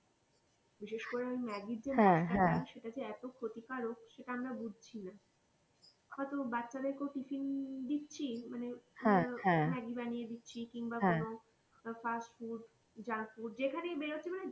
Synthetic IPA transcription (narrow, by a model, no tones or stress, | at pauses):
biʃeʃkoɾeamimɛɡiɾd͡ʑemãaɛ̃aʃeʈad͡ʑeɛt̪okʰot̪ikaɾokʃeʈaamɾabud͡ʑʱt͡ɕʰina | abat̪obatːɕʰad̪eɾkeowʈifind̪it̪ːt͡ɕʰimaneɛ̃ɛ̃mɛɡibanijed̪itːɕʰikiŋbaono | fasʈfuɖ | d͡ʑaŋfuɖd͡ʑekʰanebeɾotːt͡ɕʰimane